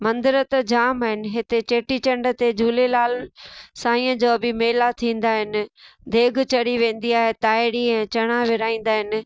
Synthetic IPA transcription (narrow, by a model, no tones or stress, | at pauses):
mɐ̃nd̪ɪɾət̪d͡ʑaːmaːɦɪnɪ̆ɦɪt̪et͡ɕeːʈit͡ɕɐ̃ɳɖə̆t̪ed͡ʑʱuːlelaːlsãːĩːə̃d͡ʑoːbɪmeːlat̪ʰĩːn̆d̪aːɦɪnɪ̆d̪ʱeːɡʱt͡ɕɐɽiʋẽːn̆d̪iaːɦet̪aːɪɾiɛ̃ːt͡ɕɐɽ̃aʋɪɾaːĩːn̆d̪aːɦɪnɪ̆